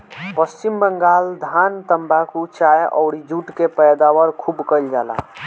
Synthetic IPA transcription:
pəst͡ʃimbəŋɡald̪ʱant̪əmbakut͡ʃajʔɔ̰ʊɽid͡ʒuʈkepəjd̪awəɾkʰubkəjld͡ʒala̰

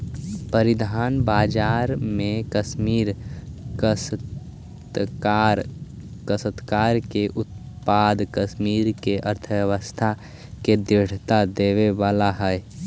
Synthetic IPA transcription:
pəɾɪd̪ʱaːnbaːd͡ʒaːɾmẽkəʃmiːɾkəs | t̪kːɾkəsət̪kaːɾkeʔʊt̪̚ | paːd̪kəʃmiːɾkeʔəɾt̪ʰəʋjəʋəst̪ʰa | ked̪ɾɪɽ̤t̪ad̪eːʋeʋaːlaɦɛɛ

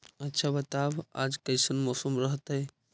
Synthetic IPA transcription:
ətːʃʰabət̪aba̰d͡ʒkəjsənmɔːsəmɾəɦət̪ɦɛ

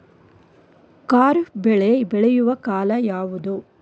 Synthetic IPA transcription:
kaːɾbɛɭebɛɭɛjuʋɐkaːlɐjaːʋud̪u

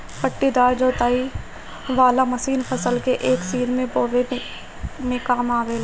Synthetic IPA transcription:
pəʈːid̪aːɾd͡ʒoːt̪aːi | ʋaːlamɐsiːnpʰəsəlkeʔeːksiːɾmẽpoːɾe | mẽkaːmaːʋeːl

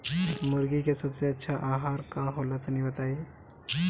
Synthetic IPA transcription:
mʊɾɡikesəbseɐtːʃʰaʔaːɦaɾkãɦolat̪niʋət̪ae

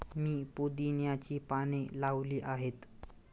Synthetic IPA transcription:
miːpod̪injat͡ɕiːpaɽ̃elaʋliːʔaɦet̪

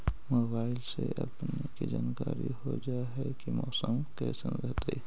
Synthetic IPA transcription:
moːbaːɪlseʔəpnekid͡ʒaːnkaːɾiɦod͡ʒaɦɛkimɔːsəmkɛsənɾəɦt̪e

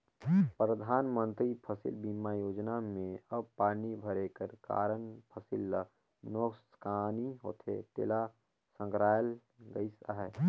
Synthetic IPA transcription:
pɾəd̪ʱaːnmə̃nt̪ɾipʰəsɪ̰lbimːajoːd͡ʒnamẽəb̚paːnibʱəɾekəɾka̰ːɾənpʰəsɪl | noːkskaːniɦo̰ːt̪ʰḛt̪ḛːla | sə̃ŋkɾaːjəl | ɡəɪsəɦɛ

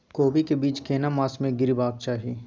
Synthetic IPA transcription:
koːbikebiːt͡ʃkeːnamaːsmẽɡɪɾibaːk̚t͡ʃaːɦiː

